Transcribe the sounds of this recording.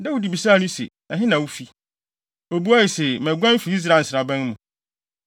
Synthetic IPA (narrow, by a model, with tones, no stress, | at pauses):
da˦wu˦di˨bi˨saː˦˨nʊ̃˦sḛ˨ | ã˨ɦɪ̃˦nã˨wu˦fi˦ | o˨bu˦a˦i˨se˨mɛ̃˨ɡʷã˦n˦fi˨˦i˦s̬ɾa˨n̩˨sɪ˨a˨bæ̃˦n˦mʊ̃˨